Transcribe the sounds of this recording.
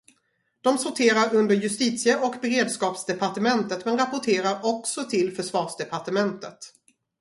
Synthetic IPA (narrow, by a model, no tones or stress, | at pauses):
d̪̥ɔmsʊʈʰeːɾaɾɵnd̪əɾjɵst̪iːt̪sɪəʔɔkbɛɾeːd̪skɑːpsd̪ɛpaʈəmɛnt̪ət̪mɛnɾapʊʈʰeːɾaɾɔksɔt̪ʰɪlfœʂvɑːʂd̪ɛpʰaʈəmɛnt̪ət̪